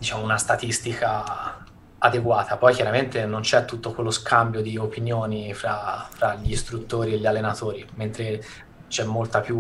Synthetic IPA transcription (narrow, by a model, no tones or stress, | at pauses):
d̪it͡ʃaːmounast̪at̪ist̪ika | ad̪eɡwaːt̪ʰapɔjkjaɾament̪enont͡ʃɛt̪ːut̪ːokwelːoskʰambjod̪iopinjoːnifɾafɾaʎːist̪ɾut̪ːoːɾieʎːalːenat̪oːɾiment̪ɾe | t͡ʃɛmːolt̪apju